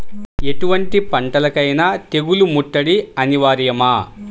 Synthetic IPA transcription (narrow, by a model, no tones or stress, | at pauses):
e̞ʈuʋɐɳʈipɐɳʈɐlɐkɐjnaːt̪e̞ɡulumuʈːɐɽiɐniʋaːɾjɐmaː